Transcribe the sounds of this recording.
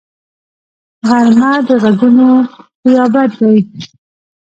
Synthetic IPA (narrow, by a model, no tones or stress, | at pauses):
ɣaɾmad̪əɣaɡunoqjɑbat̪d̪aj